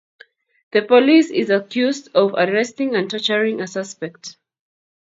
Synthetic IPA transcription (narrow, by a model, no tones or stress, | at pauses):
ðəpɔlisɪzakʰjuzdɔva̰dɹɛstɪ̃ŋə̃ntɛt͡ʃəɹĩŋəsʌspɛk̚t